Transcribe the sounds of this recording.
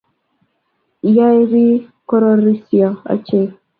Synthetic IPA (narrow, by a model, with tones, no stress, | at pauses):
ja˦e˦ɾi˦ko˦ɾo˦ɾi˦sjɔ˨a̰˨t͡ʃe˦˨